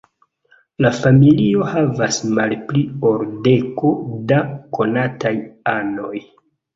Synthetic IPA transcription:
lafamilio̞havasmalplio̞ɾde̞ko̞dako̞natajano̞j

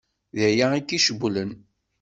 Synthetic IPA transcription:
ðəjaikːiʃəblən

